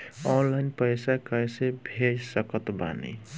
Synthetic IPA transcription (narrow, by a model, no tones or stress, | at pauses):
ɔnlaɪnpəjsakəjsebʱeɾsəkət̪ba̰nḭ